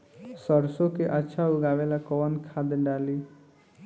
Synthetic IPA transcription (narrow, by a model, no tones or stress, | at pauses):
sʌɾsokeʔətːʃʰauɡaʋelakɔwənkʰad̪ɖali